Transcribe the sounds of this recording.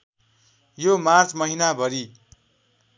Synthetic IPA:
jomart͡smʌɦinabʱʌɾi

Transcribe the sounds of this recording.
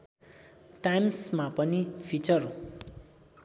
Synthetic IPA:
ʈajmsmapʌnipʰit͡sʌr

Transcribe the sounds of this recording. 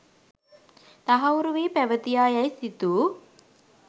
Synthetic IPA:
t̪aɦɐuɾuʋiːpæʋət̪ijaːjajsit̪uː

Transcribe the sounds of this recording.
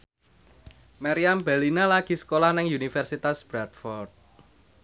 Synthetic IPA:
maɾiambɛlinalaɡ̥isə̥kolahnɪŋunifɛrsit̪asb̥ɾat̪fɔrt̪̚

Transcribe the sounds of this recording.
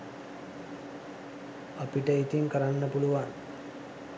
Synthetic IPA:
apiʈəit̪iŋkəɾanːəpuluʋaŋ

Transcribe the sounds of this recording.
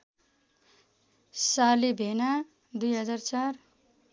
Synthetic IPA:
salibʱena | d̪ujɦʌd͡zart͡sar

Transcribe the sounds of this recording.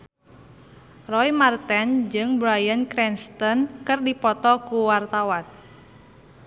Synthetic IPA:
rɔimart̪ɛnd͡ʒɨŋbɾajankɾɛnst̪ɔnkɨrdipɔt̪ɔkuwart̪awan

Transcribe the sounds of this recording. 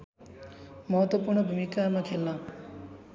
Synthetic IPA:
mʌɦʌt̪wʌpurɳʌbʱumikamakʰelnʌ

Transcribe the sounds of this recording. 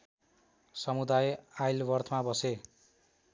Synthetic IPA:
sʌmud̪ajajlbʌrt̪ʰmabʌse

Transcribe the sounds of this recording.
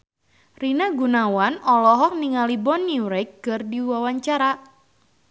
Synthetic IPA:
rinaɡunawanɔlɔɦɔk̚niŋalibɔnːiɾɛkːɨrdiwawaɲt͡ʃaɾa

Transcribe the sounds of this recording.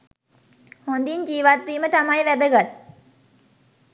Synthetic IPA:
hond̪iɲd͡ʒiːʋat̪ɾiːmət̪amajʋæd̪əɡat̪̚

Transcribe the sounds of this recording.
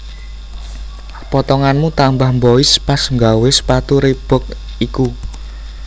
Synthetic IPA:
pɔt̪ɔŋanmut̪ambahmbɔispasŋɡawɪspat̪uɾeb̥ɔ̤k̚ | iku

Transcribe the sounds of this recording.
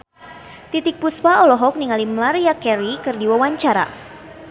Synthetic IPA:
t̪it̪ɪk̚puspaɔlɔɦɔk̚niŋalimlaɾijakɛɾikɨrdiwawaɲt͡ʃaɾa̰

